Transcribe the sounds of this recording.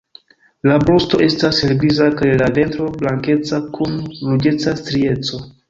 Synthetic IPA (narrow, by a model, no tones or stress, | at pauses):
labɾosto̞ʔe̞stashelblizakajlave̞ntɾo̞blaŋke̞t͡sakʰunɾud͡ʒe̞t͡sastɾie̞t͡so̞